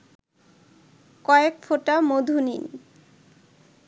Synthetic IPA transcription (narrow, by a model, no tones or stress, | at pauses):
kɔekfoʈamod̪ʱunḭn